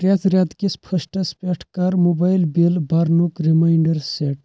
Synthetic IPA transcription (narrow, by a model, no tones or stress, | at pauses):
ʈɾat̪ɾjad̪kispʰəsʈɐspɛʈʰkaɾmobajlbilbaɾnukɾimajɳɖəɾseʈ